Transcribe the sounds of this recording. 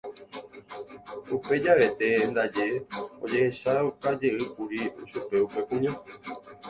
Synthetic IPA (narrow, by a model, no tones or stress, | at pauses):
upe̞d͡ʒaʋe̞t̪e̞nd̪ad͡ʒeo̰d͡ʒe̞hesaukad͡ʒe̞ʔɨkuɾiʃupe̞upe̞kũɲõ